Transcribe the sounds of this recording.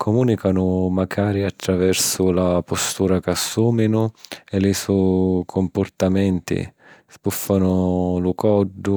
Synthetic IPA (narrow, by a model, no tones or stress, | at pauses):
kʰɔmuːnikanʊmaɡaːɾiat̪ːɾavɛrsʊlapɔst̪uːɾakasːuːminʊɛlɪsukʰompʊrt̪amɛnt̪ḭ | spufːanʊlʊkɔdːʊ